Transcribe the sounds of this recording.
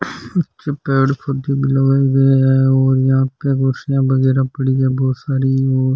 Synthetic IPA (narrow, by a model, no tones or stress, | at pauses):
ʊt͡ʃɪpeːɽpʰʊd̪iːbiləɡaːiɡəɛːoːɾjɐɦãːpeːɡoːsɪjãːbəɡɛːɾãːpəɽiːɛːbɔːt̪saːɾiːoːɾ